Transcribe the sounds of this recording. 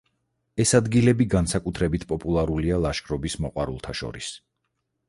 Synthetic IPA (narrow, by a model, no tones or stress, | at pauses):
ɛsad̪ɡilɛbiɡansakʼut̪ʰɾɛbit̪ʰpʼɔpʼulˠaɾulialˠaʃkʼɾɔbismɔqʼwa̰ɾṵlˠt̪ʰaʃɔ̰ɾis